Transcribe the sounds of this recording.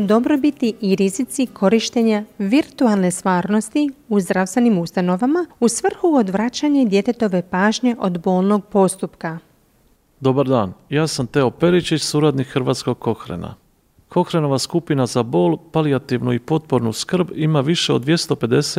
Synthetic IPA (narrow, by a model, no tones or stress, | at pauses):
d̪o̞bɾo̞bit̪iʔːɾizit̪sikʰo̞ɾiʃt̪eɲaʋiɾt̪ualˠne̞st̪ʋaːɾno̞st̪iuzd̪ɾafst̪ʋe̞nimust̪ano̞ʋamausʋr̩xuod̪ʋɾat͡ɕaɲed̪je̞t̪e̞t̪o̞ʋe̞paːʒɲe̞ʔo̞d̪bo̞ːlno̞ɡ̚po̞st̪upka | d̪o̞baɾd̪aːnjaːsamt̪eo̞pe̞ɾit͡ɕit͡ʃsuːɾad̪nikxɾʋaːt̪sko̞ɡ̚ko̞xɾḛna̰ | kʰo̞xɾeno̞ʋaskupinazabo̞ːlˠpaliat̪iʋnuipo̞t̪̚po̞ɾnuskr̩bimaʋiʃeod̪ʋje̞st̪o̞pe̞d̪e̞se